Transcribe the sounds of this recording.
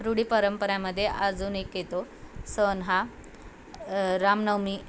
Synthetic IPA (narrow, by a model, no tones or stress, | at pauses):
ɾuɽiːpəɾəmpəɾjãməd̪ʱːjeʔad͡zuːnekjet̪o | sənɦa | ɾamnəwmiː